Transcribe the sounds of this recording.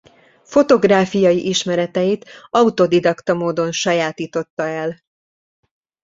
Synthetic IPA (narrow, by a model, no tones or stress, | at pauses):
fo̞t̪o̞ɡraːfijɒjiʔiʃmɛɾɛt̪ɛjit̪ɒut̪o̞d̪id̪ɒkt̪ɒmoːd̪o̞nʃɒjaːt̪iːt̪o̞t̪ːɒɛl